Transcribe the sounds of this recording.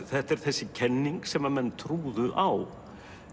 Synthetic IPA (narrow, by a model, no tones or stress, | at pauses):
θɛht̪ɛɾ̥θɛsːɪcʰɛnːiŋksɛmamɛnːt̪ʰɾuːðʏʔaw